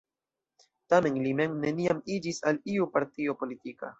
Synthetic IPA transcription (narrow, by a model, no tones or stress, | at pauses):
tame̞nlime̞ŋne̞niamid͡ʒisaliupaɾtio̞po̞litika̰